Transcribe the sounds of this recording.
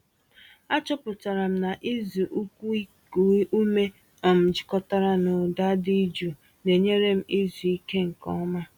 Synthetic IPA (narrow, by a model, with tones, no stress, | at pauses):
a˦t͡ʃɔ˦pʊ˨ta˨ɾa˨m̩˦na˨ʔi˦zu˨ʔu˦kʷu˦ | u˦me˦ | ɔ˨m̩˨d͡ʒɪ˨kɔ˦ta˦ɾa˦no˨da˦di˦d͡ʒu˨ | ne˨ɲe˦ɾe˦m̩˦ʔi˦zu˨i˦ke˦ŋ̩˨kɔ̰˦ma˦